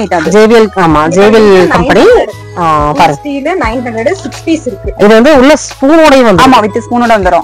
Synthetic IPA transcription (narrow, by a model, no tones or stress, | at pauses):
ɐɪʈːaðd͡ʒeːʋɪjɐlaːmaːd͡ʒeːʋɪlkɐmpɐni | pɐɾɯsʈiːlɯnɐɪnɦɐnd̪ɾɐɽɯsɪkspiːsɪɾɯkːɯɪðɯʋɐnd̪ɯʊɭːɐspuːnoːɽɐjʊ̃ʋɐndaːmaːʋɪt̪ːɯspuːnoːɽɐʋɐnd̪ɯɾõː